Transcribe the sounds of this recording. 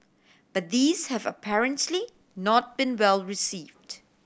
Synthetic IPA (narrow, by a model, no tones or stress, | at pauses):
b̥at̚d̪iːzhɛvə̰pʰɛɹə̃ntʰli | nɔt̚b̥ĩnwɛlɹisiːvd